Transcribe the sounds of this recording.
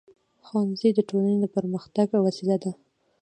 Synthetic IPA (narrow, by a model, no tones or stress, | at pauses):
xɑnzid̪əʈolaneləpəɾməxt̪aɡawasilad̪a